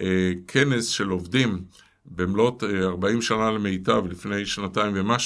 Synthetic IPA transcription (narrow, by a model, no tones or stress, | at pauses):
ekʰenesʃe̞lo̞vdim | bemlo̞taʁbaimʃanaleme̞jtavlifne̞jʃnataimvemaʃ